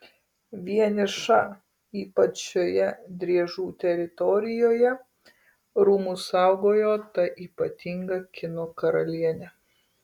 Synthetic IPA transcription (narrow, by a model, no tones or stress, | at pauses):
ʋʲiɛnʲɪʃɑ | iːpɐt͡ʃʃʲoːjɛd̪ʲɾʲiɛʒuːt̪ʲɛɾʲɪt̪ɔɾʲɪjoːjɛ | ɾuːmʊsɑˑʊɡoːjoːt̪ɐʔiːpɐt̪ʲɪŋɡɐkʲɪnoːkɐɾɐlʲiɛnʲɛ